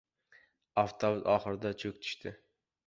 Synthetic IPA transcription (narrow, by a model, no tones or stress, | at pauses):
aft̪ʰobʊzɒχɨɾɪd̪at͡ʃʰɵkʲt̪ʰʊ̥ʃt̪ʰɪ